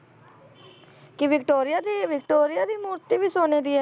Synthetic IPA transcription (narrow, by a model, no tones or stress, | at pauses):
kɪʋɪkʈoːɾɪjaːd̪iːʋɪk̚ʈoːɾɪjaːd̪iːmuːɾt̪iːʋiːsoːneːd̪iːɛː